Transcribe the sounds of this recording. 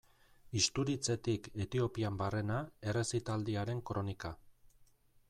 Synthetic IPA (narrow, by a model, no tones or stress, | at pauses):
ist̪uɾit͡se̞t̪ike̞t̪io̞piambare̞nae̞re̞sit̪ald̪iaɾe̞ŋkɾo̞nika